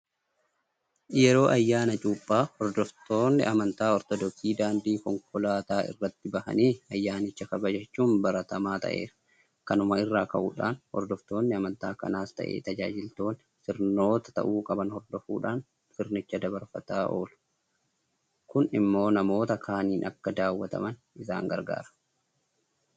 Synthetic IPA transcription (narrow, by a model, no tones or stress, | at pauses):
jɛɾo̞ːʔɐjːaːnɐt͡ʃʼuːpʼːaːhɔɾd̪ɔft̪o̞ːnːɪʔɐmɐnt̪aːɔɾt̪ɔd̪ɔksiːd̪aːnd̪iːkɔŋkɔlaːt̪aːɪ̰rːɐt̪ːɪbɐhɐ̰niːɐjːaːnɪt͡ʃːɐkɐbɐd͡ʒɛt͡ʃːuːnbɐɾɐt̪ɐmaːt̪ɐ̰ʔe̞̰ːɾɐ̥ | kɐnʊmɐɪrːaːkɐʔuːᶑaːnhɔ̰ɾd̪ɔft̪o̞ːnːɪɐmɐnt̪a̰ːkɐ̰naːst̪ɐ̰ʔḛːt̪ɐd͡ʒaːd͡ʒɪlt̪o̞ːn | sɪɾno̞ːt̪ɐ̥t̪ɐ̰ʔuːkʼɐbɐnhɔɾd̪ɔfuːᶑaːn | fɪɾnɪt͡ʃːɐd̪ɐbɐɾfɐt̪aːʔo̞̰ːlʊ̥ | kʊnɪmːo̞ːnɐmo̞ːt̪ɐkʰaːniːnʔɐkːɐd̪aːwːɐt̪ɐ̰mɐn | ɪsa̰ːŋɡɐ̰ɾɡa̰ːɾɐ̥